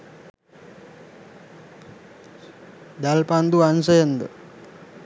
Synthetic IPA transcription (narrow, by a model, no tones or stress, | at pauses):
d̪alpand̪uansəjənd̪ə̰